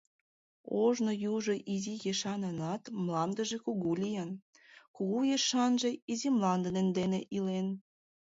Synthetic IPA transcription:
oʒnojuʒoʔizijeʃɑnɤnɑt̪mlɑnd̪əʒekuɣulʲijɑn | kuɣujeʃɑnʒeizimlɑnd̪ənend̪eneʔilen

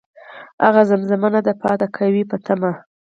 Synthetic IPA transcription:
a̰ɣazamzamanad̪əpɑt̪akʰawipət̪ʰama

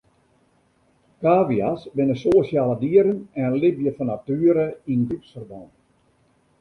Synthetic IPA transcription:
kaːʋiasbɪnəsoːsjaːlədiəɾənɛnənlibjəfɔnatyəɾəinɡrupsfərbɔn

